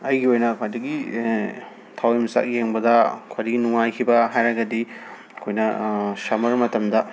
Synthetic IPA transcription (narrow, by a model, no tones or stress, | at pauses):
ɐjɡiojnɐkʰwajdɐɡi | tʰawimɐsa̰k̚jeŋbɐdɐkʰwajdɐɡinuŋajkʰibɐɦajɾaɡɐdi | kʰojnɐsamɐɾmɐtɐmdɐ